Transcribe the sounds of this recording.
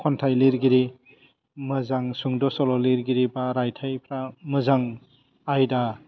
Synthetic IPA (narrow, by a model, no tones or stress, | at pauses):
kʰɔntʰajliɾɡiɾi | mɯzaŋsuŋdɔsɔlɔliɾɡiɾibaɾajtʰajpʰɾamɯzaŋ | ajda